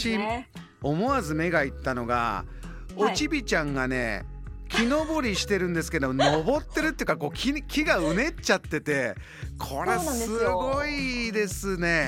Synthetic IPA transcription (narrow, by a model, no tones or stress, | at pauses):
i | o̞mo̞azɨme̞ɡait̪ːano̞ɡa̰ | ot͡ɕibʲit͡ɕãŋɡane̞̰ | kʲʰino̞boɾʲiɕi̥t̪e̞ɾɯ̟̃nd̪e̞sɨ̥ke̞d̪omono̞bo̞t̪ːe̞ɾɯ̟t̪oiɯkako̞ːkʲikʲiɡaɯ̟ne̞t͡ɕat̪ːe̞t̪e̞ | kʰo̞ɾessɨɡo̞id̪e̞sɨne̞